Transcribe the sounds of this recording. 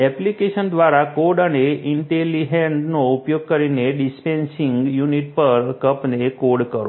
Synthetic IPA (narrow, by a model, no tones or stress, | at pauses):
ɛplikeʃənd̪ʋaɾakoɖəneʔinʈeliɦeɳɖnoupjoɡ̚kəɾineɖispensĩŋɡjuniʈ̚pəɾkəpnekoɽkəɾo